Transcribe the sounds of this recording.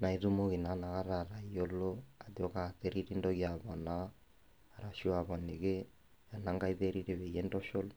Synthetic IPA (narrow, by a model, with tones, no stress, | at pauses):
na˨i˨ðu˦mo˦ɣi˨na˨˦na˨ɣa˦ɾa˨ɾa˨i˦o˦lo˦a˨ðjɔ˦ka˨ðe˦ɾi˦ɾi˦ndɔ˦ɣja˨βɔ˨naː˦˨ | ɾa˨ʃu˦a˨βɔ˨ni˨ɣe˦ | a˨na˦ŋɡa˦i˦ðe˦ɾi˦ɾe˨βɛ˨ijɛ˦ndɔ˦ʃo˦l